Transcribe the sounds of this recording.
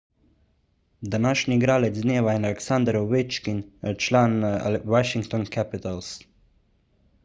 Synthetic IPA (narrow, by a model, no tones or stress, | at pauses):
d̪anaːʃniːɡɾaːlɛt͡sd̪neːʋaɛnalɛksand̪ɾoʋet͡ʃkint͡ʃlaːna̰waʃiŋkt̪ɔnkʰɛpit̪als